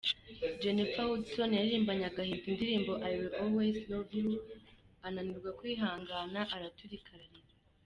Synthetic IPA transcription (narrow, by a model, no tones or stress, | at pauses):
d͡ʒenifawdsonjaiɾiːmbaɲaɡahitindiɾiːmbo̞ʔajɾoʔolwezlovuananiɾɡwakwiːɦaːŋɡaːnaʔaɾatuɾikʰaɾaɾiɾa